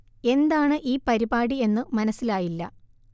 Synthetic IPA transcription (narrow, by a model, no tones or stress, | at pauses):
e̞nd̪aːɳɨʔiːpɐɾibaːɽie̞nːɨmɐnɐsːilaːjilːɐ